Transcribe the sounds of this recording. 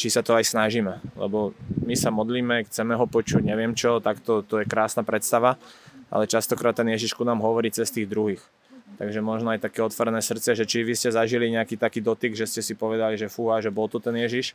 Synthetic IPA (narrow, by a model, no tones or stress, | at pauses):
t͡ʃisat̪ɔajsnaʒimɛlɛ̰bɔmisamɔd̪liːmɛxt͡sɛmɛɦɔpɔt͡ʃuɟɲɛʋɪɛmt͡ʃɔt̪akt̪ɔt̪ɔjɛkɾaːsnapɾɛt̪st̪aʋaʔa̰lɛt͡ʃast̪ɔkɾaːt̪ːɛnjɛʒiʃkunaːmɦɔʋɔɾiːt͡sɛst̪iːɣd̪ɾuɦix | t̪aɡʒɛmɔʒnɔajt̪akɛːɔt̪ʋɔɾɛnɛːsr̩t̪t͡sɛʒɛt͡ʃiʋiscɛzaʒiliɲɛakiːt̪akiːd̪ɔt̪iɡʒɛscɛsipɔʋɛd̪aliʒɛfuaʒɛbɔlt̪ɔt̪ɛnjɛʒiʃ